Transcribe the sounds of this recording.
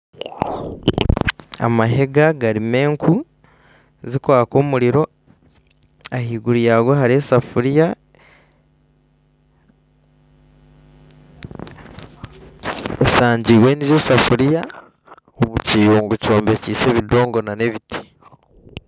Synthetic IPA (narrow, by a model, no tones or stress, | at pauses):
a̰maɦe̞ɡaɡaɾime̞ːŋkʰu | zikwaːko̞ːmuɾiɾo̞ | ahiːɡuɾijaːɡohaɾie̞safuɾija | esaːɲɟiːwe̞ːniɾjosafuɾija | oβuciːjoːŋɡuco̞ːmbe̞ciːse̞βido̞ːŋɡo̞nane̞βitʰi̥